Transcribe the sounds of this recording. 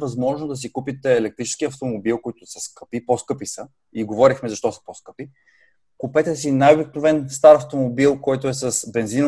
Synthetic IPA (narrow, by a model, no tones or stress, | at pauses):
vɐzmɔʒnod̪ɐs̬ikupit̪ɛːlɛk̚t̪ɾit͡ʃɛ̥skiɐft̪omobilˠkoit̪ʊsɐskɤ̥piposkɤpisə | iɡovɔɾixmɛzɐʃt̪ɔsə̥poskɤpi | kʊpɛt̪ɛsinajobiknovɛnst̪aɾɐft̪omobilˠkɔjt̪oɛsəsbɛnzin